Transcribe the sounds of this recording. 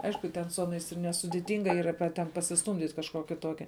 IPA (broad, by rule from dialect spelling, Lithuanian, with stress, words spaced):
ˈɐɪʃkʊ ˈtʲɛn sʊ ˈɑːˌnɐɪs ɪr nʲɛsʊdʲɪˈtʲɪŋɡɐ ˈiːrɐ pʲɛ tʲɛn pɐsʲɪsˈtuːmʲdʲiːtʲ kɐʃˈkuɔkʲɪ ˈtuɔkʲɛ